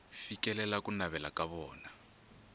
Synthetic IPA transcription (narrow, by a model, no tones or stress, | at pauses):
fikɛlɛlakunaβɛla̰kaβɔːna